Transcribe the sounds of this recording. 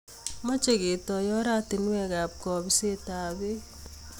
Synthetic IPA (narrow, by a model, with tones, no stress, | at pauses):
ma˦t͡ʃe˨ɡe˨tɔ˨jɔ˦ɾa˦tɪ˨n˦wɛ˦ɡa˨p̚kɔ˨bi˦se˦ta˨be˦